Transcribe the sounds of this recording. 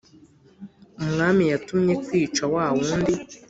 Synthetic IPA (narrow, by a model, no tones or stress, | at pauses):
umŋaːmijatumɲe̞kwiːt͡ʃawaːwuːndi